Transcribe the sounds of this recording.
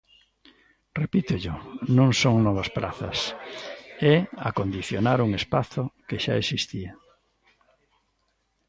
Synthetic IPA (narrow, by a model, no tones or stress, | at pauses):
repit̪ʊʎʊnõŋsoŋnɔβɐspɾʔa̰θɐ̰s | ɛakond̪iθjonaɾuŋespaθʊkeʃa̰esist̪ia